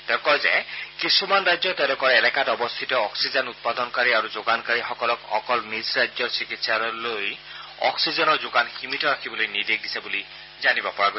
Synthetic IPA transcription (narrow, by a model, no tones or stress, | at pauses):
tɛkɔɹzɛ̰kisumanɹajzɔtɛʊlɔkɔɹɛlɛkatɔbɔst̪ʰitɔɔksizanut̚padɔnkaɹiaɹuzoɡankaɹixɔkɔlɔkɔ̰kɔlmisɹajzɔɹsikitsaɹɔloj | ɔ̰ksizɔnɔɹzoɡanximitɔɹakʰibɔlojnidek̚disɛbuli | zanibɔpɔɹaɡoɛ